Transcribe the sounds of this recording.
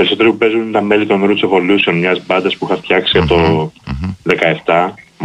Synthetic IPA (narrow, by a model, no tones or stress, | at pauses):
peɾiso̞t̪eɾipupe̞zunnt̪ɐme̞lit̪o̞nɾut̪usevo̞lusio̞nmɲɐzbɐnd̪ɐspuixɐft̪çɐksiɐpt̪o̞ | ðe̞kɐe̞ft̪ɐ